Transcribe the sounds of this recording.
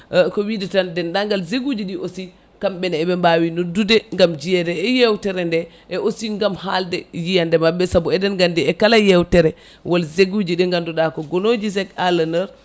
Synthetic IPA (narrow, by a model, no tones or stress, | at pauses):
kɔwidɛtandɛnɗaŋɡalzeɡud͡ʒiɗiʔosi | kamɓɛnɛbɛmbawinodːudɛŋɡamd͡ʒijɛdɛːjɛwtɛɾɛndɛ | ʔɛʔosiŋɡamhaldɛjijandɛmabːɛsabuɛdɛnɡandiɛkalajɛwtɛɾɛ | walzeɡud͡ʒiɗɛŋɡanduɗakɔɡɔnod͡ʒizɛkalanɛɾ